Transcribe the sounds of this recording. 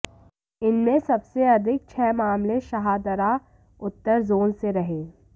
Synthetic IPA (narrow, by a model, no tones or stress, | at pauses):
ɪnmẽsɐbseɐd̪ʱɪk̚t͡ʃʰɛːmaːmleʃɐɦaːd̪əɾa | ʊt̪ːəɾzoːnseɾɐɦeː